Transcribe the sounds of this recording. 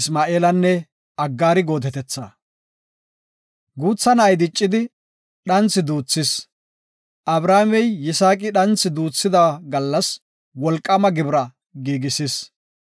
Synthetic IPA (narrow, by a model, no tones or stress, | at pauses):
smaːʔeːlɐnːɛ | ɐɡːaːɾɪɡo̞ːt̪ɛt̪ɛt͡sːa̰ː | ɡuːt͡sːɐnɐːjd̪ɪt͡ʃʼːɪd̪ɪ | ɗɐnt͡sːɪd̪uːt͡sːɪs | ʔɐbɾaːmɛjːɪsaːkʼɪɗɐnt͡sːɪd̪uːt͡sːɪd̪ɐɡɐlːɐs | wɔlkʼːɐmɐɡɪbɾɐ | ɡiːɡɪsɪs